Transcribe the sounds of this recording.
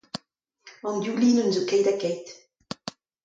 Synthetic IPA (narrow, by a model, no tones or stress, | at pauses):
ɑ̃nd̪juliːnənzokɛjdakɛjt